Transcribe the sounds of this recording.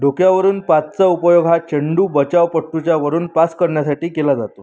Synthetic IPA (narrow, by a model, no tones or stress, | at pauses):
ɖʱokjaʋəɾuːnpat͡st͡saupəjoɡʱɦat͡ɕəɳɖuːbət͡ɕaʋpəʈːut͡ɕjaʋəɾuːnpaskəɾɳjasaʈiːkelad͡zat̪o